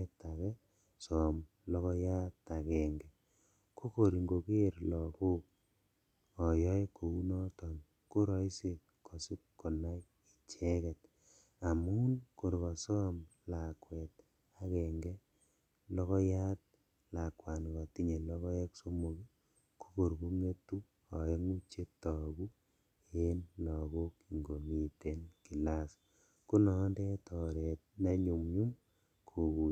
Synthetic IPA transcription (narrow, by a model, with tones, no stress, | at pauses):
ɛ˦ta˨kɛ˦ | sɔ˨m | lɔ˦kɔ˦ja˦ta˨kɛ˨ŋɡɛ˨ | ko˦ko˨ɾi˨ŋɡo˨ke˦ɾlɔ˨ku˦k̚ | ɔ˨jɔ˦jko˨u˦nɔ˦tɔ˨n | ko˦ɾɔ˦i˦se˦ | ko˨si˦kːo˨na˦j | i˨t͡ʃɛ˦kɛ˨t | a˨mu˦nko˨ɾkɔ˨sɔ˦mla˨kwɛ˨t̚ | a˨kɛ˨ŋɡɛ˦ | lɔ˦ɣɔ˦ja˦t̚ | la˨kwa˨nɡa˨ti˦ɲe˨lɔ˦ɣɔ˦ɛ˦kso˦mu˨ɡi˦ | kʰo̥˦ko˨ɾɡu˦me˦tu˦ | ɔ˨e˦ŋu˦t͡ʃe˦tɔ˨ɡu˦ | e˦nlɔ˨ɣo˦ki˨ŋɡo˨mi˨te˨nki˨la˦s | ku˦nɔ˨nde˦tɔ˨ɾɛ˨t̚na˦ɲu˨mɲu˦m | kʰo˨ɣu˨